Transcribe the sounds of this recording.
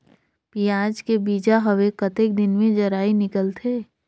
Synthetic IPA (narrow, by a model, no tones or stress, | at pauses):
pijaːd͡ʒkebiːd͡ʒaɦɐʋekət̪ek̚d̪ɪnmẽd͡ʒɐɾaːinɪkəlt̪ʰeː